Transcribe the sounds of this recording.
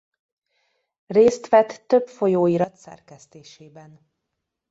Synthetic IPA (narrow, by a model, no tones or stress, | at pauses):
reːst̪ʋɛt̪ːøpfo̞joːiɾɒt̪sɛ̰rkɛst̪eːʃeːbɛn